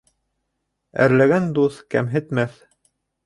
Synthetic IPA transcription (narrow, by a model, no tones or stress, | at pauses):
æ̰ɾlæɡænd̪uθkæ̰mɦɘ̆t̪mæθ